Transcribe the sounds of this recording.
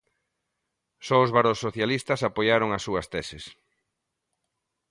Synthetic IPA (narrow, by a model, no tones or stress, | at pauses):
sɔʊzβaɾosːoθjalist̪ɐsapojaɾoŋasːuɐst̪ɛsɪs